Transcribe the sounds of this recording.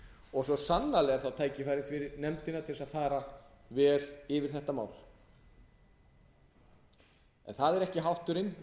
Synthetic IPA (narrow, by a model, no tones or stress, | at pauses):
ɔɣsɔsanːalɛːɣaɾθawt̪ʰaːjcɪfajɾɪθvɪɾɪnɛmt̪ɪnat̪ʰɪlsaðfaːɾa | vɛːɾ̥ɪvɪɾ̥θɛht̪ama̰ːwl | ɛ̰nθaðɛɾɛhcɪɦawht̪ʏɾɪn